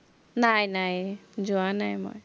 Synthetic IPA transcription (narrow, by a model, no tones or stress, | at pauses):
najnajd͡ʒuanajmɔ̰j